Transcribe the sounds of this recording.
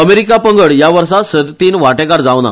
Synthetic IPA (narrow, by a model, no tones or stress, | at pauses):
əmeɾikapəŋɡəɭjaʋəɾsasəd̪t̪iːnʋaʈekaɾd͡zaʋna̰